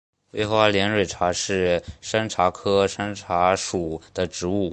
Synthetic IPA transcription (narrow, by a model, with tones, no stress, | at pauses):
we˥˧ɪxə˧˥wa˧˥ljɛ˧˥nɻwe˨˩ʈ͡ʂʰa˧˥ʂɻ̩˥˩ʂə˥nʈ͡ʂʰa˧˥kʰɤ˥ʂə˥nʈ͡ʂʰa˧˥ʂu˨˩d̪̥ə˦ʈ͡ʂɻ̩˧˥u˥˩